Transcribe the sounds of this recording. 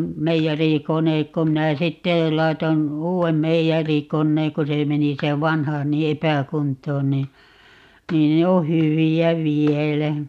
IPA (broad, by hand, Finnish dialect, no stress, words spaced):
meijærikonek ko minæ sitːe lɑiton uːem meijærikonːeːŋ ko se meni se ʋɑnhɑ ni epækuntˑoːn niː niːn ne o hyʋiæ ʋielæ